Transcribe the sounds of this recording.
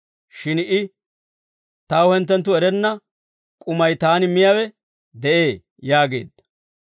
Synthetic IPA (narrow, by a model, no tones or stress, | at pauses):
ʃɪnʔɪ | t̪ɐwhɛnt̪̬ːɛnt̪̬ːʊɛɾɛnːɐ | kʼʊmɐjt̪aːnɪmɪjawɛ | d̪ɛʔe̞ː | jaːɡe̞̰ːd̪ɐ